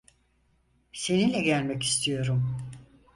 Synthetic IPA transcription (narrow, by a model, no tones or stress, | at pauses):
se̞nilʲɛɟælʲmɛci̥st̪ʰijo̞ɾum